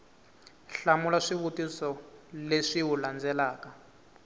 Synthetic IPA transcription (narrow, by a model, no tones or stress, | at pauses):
ɬamulaʂiβutisɔleʂiɦuland͡zɛlaːka